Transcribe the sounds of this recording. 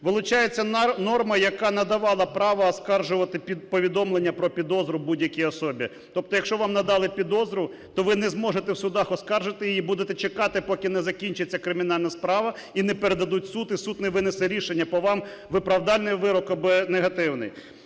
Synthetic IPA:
ʋɪlˠʊt͡ʃɑjet͡sʲːɐnɔrmɐjɐkɑnɐd̪ɐʋɑlˠɐpɾɑʋɐːskɑrʒʊʋɐt̪ɪpʲipɔʋʲid̪ɔmlˠenʲːɐpɾɔpʲid̪ɔzɾʊbudʲjɐkʲiɔsɔbʲi | t̪ɔp̚t̪ɔjɐkʃt͡ʃɔʋɑmnɐd̪ɑlˠɪpʲid̪ɔzɾʊ | t̪ɔʋɪnɛzmɔʒet̪ɛwsʊd̪ɑxɔskɑrʒɪt̪ɪjjibud̪et̪ɛt͡ʃekɑt̪ɪpɔkʲɪnɛzɐkʲinʲt͡ʃɪt͡sʲːɐkɾɪmʲinɑlʲnɐspɾɑʋɐ | inɛpeɾed̪ɐd̪utʲsut̪ɪsut̪nɛʋɪnɪsɛɾʲiʃenʲːɐpɔʋɑm | ʋɪpɾɐwd̪ɑlʲnɪjʋɪɾɔkɐbɪneɦɐt̪ɪwnɪ̰j

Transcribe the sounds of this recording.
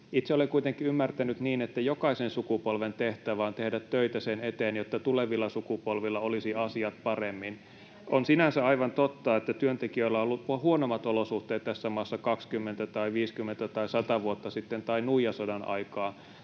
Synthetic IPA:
it̪seolekuit̪eŋkːˑiymːært̪ænyt̪niːnet̪ːæjokɑisensukupolʋent̪eht̪æʋæːnt̪ehdæt̪tøit̪æsenet̪eːnjot̪ːɑt̪uleʋilːɑsukupolʋilːɑolisiɑsiɑt̪pɑremːin | ʔonsinænsæɑiʋɑnt̪ot̪ːɑet̪ːæt̪yønt̪ekiølæolːuhuonomːˑɑt̪olosuht̪eːt̪t̪æsːæmɑːsːɑkɑkskymːent̪æt̪ɑiʋiːskymːent̪æt̪ɑisɑt̪ɑʋuot̪ːɑsit̪ːent̪ɑinuijɑsodɑnɑ̰ikɑː

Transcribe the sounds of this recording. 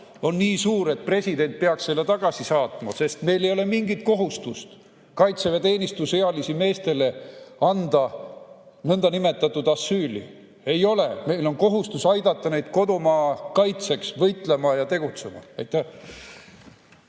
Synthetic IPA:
o̞nːiːsuːɾe̞t̪̚pre̞sʲid̪e̞nt̪̚peɑksːe̞lːe̞t̪ɑɡ̥ɑsisɑːt̪ˑmɑ̰se̞st̪me̞jlejo̞le̞miŋɡit̪̚ko̞ɦust̪ust̪ | kɑjt̪sevet̪e̞ːnist̪usheɑlisime̞ːst̪e̞le̞ɑnd̪̥ɑ | nɤnd̪̥ɑnime̞t̪ːˑɑt̪ːˑud̪̥ɑsːyːlḭ | e̞jo̞le̞me̞jlo̞nko̞ɦust̪usɑjd̪ɑt̪ːˑɑne̞jd̪̥ko̞d̪omɑːkɑjt̪se̞ksvɤjt̪ˑle̞mɑjɑt̪e̞ɡ̥ut̪se̞mɑ̰ɑjt̪ːˑæh

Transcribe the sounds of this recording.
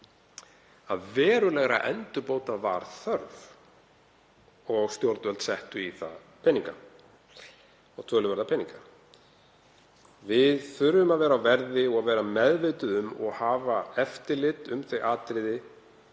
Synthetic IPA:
aðvɛːɾʏlɛɣɾa̰ʔɛ̰nt̪ʏpoːwt̪ava̰ɾ̥θœɾv | ɔɣst̪jowɾt̪vɛlt̪sɛht̪ʏiθa̰ð | pʰɛnːiŋka̰ | ɔɣt̪ʰvœːlʏvɛɾðapʰɛnːiŋka | vɪðθʏɾːʏmaðvɛːɾawvɛɾðɪɔɣavɛːɾamɛðvɪːt̪ʏðʏmɔ̰ɣhaːvaɛft̪ɪlɪt̪ʏmθejʔaːt̪ɾɪðɪ

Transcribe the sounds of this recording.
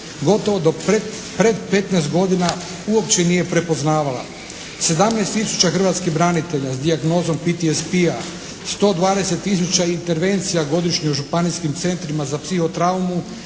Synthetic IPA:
ɡo̞t̪o̞ʋo̞d̪oe | pɾe̞d̪pe̞t̪nɛːst̪ɡo̞d̪ina | uo̞pt͡ɕe̞nije̞pɾe̞po̞znaːʋala̰ | se̞d̪amnaest̪ːisu̥t͡ɕaxr̩ʋat̪skiɦbɾanit̪e̞ʎazd̪iaɡno̞ːzo̞mpit̪iespia | st̪o̞ːd̪ʋaːd̪e̞se̞t̪ːis̬ut͡ɕaint̪e̞ɾʋe̞nt̪sijaɡo̞d̪iʃɲiuʒupaniskimt̪se̞nt̪ɾimazapsixo̞t̪ɾaumu

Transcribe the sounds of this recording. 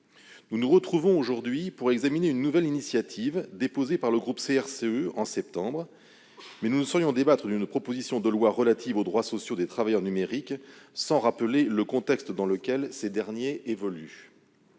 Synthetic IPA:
nunuʁət̪χuvɔ̃oʒuʁd̪ɥipuʁɛɡzamineynːuvɛlinisjat̪ʰivd̪epozepaʁləɡʁupseɛʁseøɑ̃sɛp̚t̪ɑ̃bʁ | mɛnunusəʁjɔ̃d̪ebat̪χəd̪ynpχɔpozisjɔ̃d̪əlwaʁəlat̪ivod̪ʁwasɔsjod̪et̪χavajœʁnymeʁiksɑ̃ʁapəleləkɔ̃t̪ɛkst̪d̪ɑ̃ləkʲɛlsed̪ɛʁnjeʔevɔly

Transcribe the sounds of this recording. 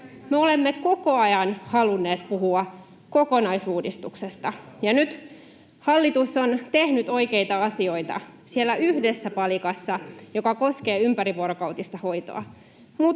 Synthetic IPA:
meolemːeko̞ko̞ɑjɑnhɑlunːe̞ːt̪puɦuɑ | ko̞ko̞nɑisuːdist̪uksest̪ɑjɑnyt̪ | hɑlːit̪usːont̪ehnyt̪o̞jkeit̪ɑɑsio̞it̪ɑ̰sielːæʔyhdesːæpɑlikɑsːɑjo̞kɑko̞ske̞ːympæɾiʋuoɾokɑut̪ist̪ɑho̞jt̪o̰ɑ̰ | mu

